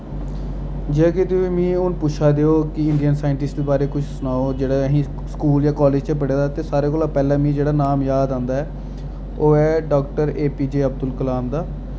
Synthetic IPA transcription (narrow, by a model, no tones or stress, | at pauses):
d͡ʒːkɪt̪eʋiːmĩːʊnpʊʃʰaːd̪eːoːkɪɪɳɖijənsaːɪɳʈɪsʈd̪eːbaːɾeːkʊt͡ʃʰsʊnaːoːd͡ʒeːɽaɦĩː | skuːljaːkɔːlɪd͡ʒt͡ʃəpəɽeːd̪aːt̪eːsaːɾeːkoːlaːpɛːlãːmĩːd͡ʒeːɽaːnaːmjaːd̪ãːnd̪aːɛː | oːɛːɖɔːkʈəɾeːpiːd͡ʒeːəb̚d̪ʊlkəlaːmd̪aː